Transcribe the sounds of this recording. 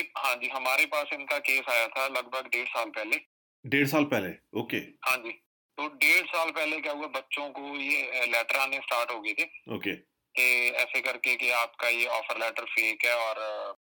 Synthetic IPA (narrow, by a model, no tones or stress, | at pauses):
ɦãːd͡ʒiːɦəmaːɾepaːsɪnkaːkeːsaːjat̪ʰaːləɡ̚bʱəɡɖeːɽsaːlpɛːleː | ɖeːɽsaːlpɛːleːoːkḛːɦãːɲd͡ʒiː | t̪oːɖeːɽsaːlpɛːlekaːuaːbətːʃõkoːjeːlɛːʈəɾãːnẽːsʈaːɾʈɦoːɡəit̪ʰeːoːkeː | t̪eːɛːsekəɾkekɪaːpkaːjeːɔːpʰəɾlɛːʈəɾfʰeːkɛːɔːɾ